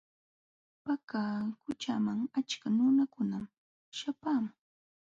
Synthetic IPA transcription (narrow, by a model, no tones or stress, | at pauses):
pakaːkʊt͡ʃamaŋat͡ʃkanʊnakʊnam | ʃapaːmʊ